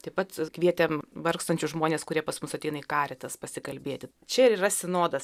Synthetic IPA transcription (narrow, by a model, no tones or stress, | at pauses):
t̪ɐɪpɐt̪kʋʲiɛt̪ʲɛmʋɐrkst̪ɐnʲt͡ʃʲʊʒmoːnʲeːskʊɾʲiɛpɐsmʊsɐt̪ʲɛɪnɐikɑːɾʲɛt̪ɐspɐsʲɪkɐlʲbʲeːt̪ʲɪ | t͡ʃʲɛɪɾiːɾɐsʲɪnoːd̪ɐs